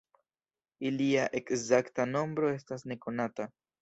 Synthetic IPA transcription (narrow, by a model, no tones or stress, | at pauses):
iliaʔe̞kzaktano̞mbɾo̞e̞s̬tas̬ne̞ko̞nata